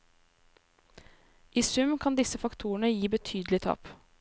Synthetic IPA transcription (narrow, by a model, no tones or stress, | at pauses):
ʔiːsʉmkʰɑnd̪ɪsəfɑkt̪ʰuːɳəjiːbət̪ʰyːd̪l̩ɪt̪ʰɑ̰ːp